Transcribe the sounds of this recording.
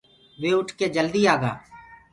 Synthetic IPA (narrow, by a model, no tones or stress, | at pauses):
ʋeːʊʈʰkeːd͡ʒəld̪iːaːɡa̰ː